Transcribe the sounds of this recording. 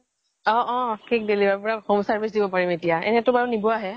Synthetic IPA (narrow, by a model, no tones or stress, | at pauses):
ɔ̃ʔɔ̃kʰik̚delibaɹpɔɹaxomsaɹbʱisdibɔpaɹimetijaɛ̰nɛtʊbaɹunibɔaɦɛ